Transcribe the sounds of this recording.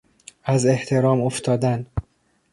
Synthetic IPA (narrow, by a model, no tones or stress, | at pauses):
æze̞ht̪ʰe̞ɾɒːmoft̪ʰɒːd̪æn